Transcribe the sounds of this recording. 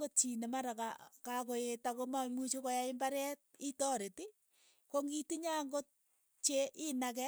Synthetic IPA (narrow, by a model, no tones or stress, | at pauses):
ot͡ʃinemaɾaka̰kakojetakomamut͡ʃokɔjaimbaɾɛt̚itɔɾeti | koŋɡitiɲaŋɡo | t͡ʃeʔɪnak̬ɛ